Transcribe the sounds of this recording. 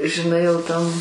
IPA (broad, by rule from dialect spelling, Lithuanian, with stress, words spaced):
ʒʲɪˈnɐɪ jɛʊ ˈtɐm